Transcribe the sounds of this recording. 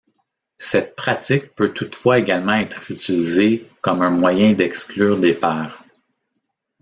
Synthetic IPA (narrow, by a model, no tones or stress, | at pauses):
sɛt̪̚pχat͡sɪk̚pøt̪ʰut̪fwaeɡalmɑ̃ɛːt̪χyt͡silizekɔmɛ̃mwajɛ̃d̪ɛksklyːʁd̪epɛːʁ